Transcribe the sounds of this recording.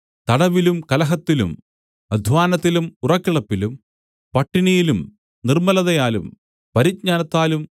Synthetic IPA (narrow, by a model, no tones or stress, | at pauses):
t̪ɐɽɐʋilumkɐlɐɦɐt̪ːilṵm | ɐd̪ʱʋaːnɐt̪ːilumurɐkːiɭɐpːilum | pɐʈːinijilum | nirmɐlɐðɐjaːlum | pɐɾit̚ɲaːnɐt̪ːaːlum